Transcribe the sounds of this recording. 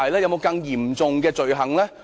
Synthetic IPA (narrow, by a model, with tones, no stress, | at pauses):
ɐ˨jlaː˥jɐ˨˧wmo˨˧wkɐ˧ŋjiː˨˩mt͡sʊ˨ŋkɛː˧t͡sɵ˨ɥɦɐ˨˩ŋlɛː˥